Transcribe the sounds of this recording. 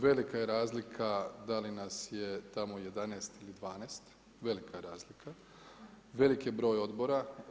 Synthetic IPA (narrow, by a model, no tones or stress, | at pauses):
ʋe̞likajeɾaːzlikʰad̪alinasje̞t̪amo̞je̞d̪aneːst̪ilid̪ʋaːneːst̪ | ʋe̞likʰajeɾaːzlikʰa | ʋe̞likjebɾo̞ːjo̞d̪bo̞ɾa